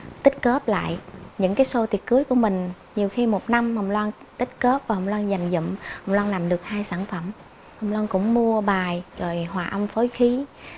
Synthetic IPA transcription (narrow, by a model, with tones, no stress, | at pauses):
t̪ï˦˥k̟̚kəː˦˥p̚la̰ː˧˨jʔɲɨ̰˧˥ŋkaː˨˦jso˧t̪i˨˩ət̚kɨ˨˦əjku˧˩əmï˨˩ŋ̟ | ɲi˨˩əwxi˧mo˨˩t̚na˧mhə˨˩wŋ͡mlwaː˧n | t̪ï˦˥k̟̚kə˦˥p̚vaː˨˩hə˨˩wŋ͡mlwaː˧nza˨˩jŋ̟zɨ̰˧˨mhə˨˩wŋ͡mlwaː˧nlaː˨˩mɗɨ˨˩ək̚haː˧jsaː˧˩nfə˧˩m | hə˨˩wŋ͡mlwaː˧nkʊ̰˧˥ŋ͡mmu˧əɓaː˨˩jzo˨˩jhwaː˨˩ʔə˧mfo˨˦jxi˨˦